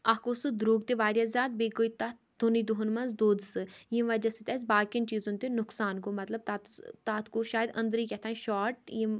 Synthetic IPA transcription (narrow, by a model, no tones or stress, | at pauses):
ɐkosɨd̪ɾuːɡt̪eʋaːɾjazʲjaːt̪̚beːkoit̪ɐd̪unid̪uɦʊnmɐnzd̪oːd̪sɨjĩʋɐd͡ʒɐsit̪ɐs̬ʲbaːkɐnt͡ʃiːzõnt̪enʊksaːnkomɐt̪lɐb̚t̪at̪t̪aːt̪koʃaːjd̪ɐ̰̃nd̪ɾiːkɛt̪ʰaːĩʃaːɾʈ̚jĩ